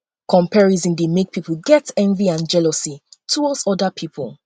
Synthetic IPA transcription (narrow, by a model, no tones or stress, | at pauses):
kʰɔ̃mpʰɛɹizĩŋdəmik̚pʰipl̩ɡɛtɛ̃ɱviãnd͡ʒɛlɔsitʰuwɔdsɔdəpʰipʰə̰lˠ